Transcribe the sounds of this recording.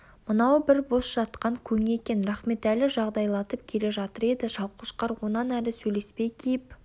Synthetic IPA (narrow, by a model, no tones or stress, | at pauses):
mənɑwbɪɾbo̞sʒ̥ɑt̪qɑŋkʲʰɵŋe̞kʲe̞nɾɑχme̞t̪ælɪʒɑʁd̪ɑjlˠɑt̪əp̚kʲʰe̞le̞ʒɑt̪əɾe̞d̪ɪʒɑlˠqʊʃqɑɾwo̞nɑnælɪsɵjle̞spejkʲʰejp